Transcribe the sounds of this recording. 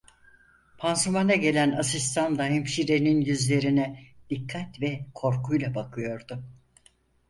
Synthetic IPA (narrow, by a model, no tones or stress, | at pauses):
pʰansumanaɟe̞lʲænasist̪ʰand̪aɦimʃiɾeninjyzlʲe̞ɾinɛd̪̥ikʰːat̪vɛkʰo̞ɾkʰujlˠabakʰɯjo̞ɾd̪ʊ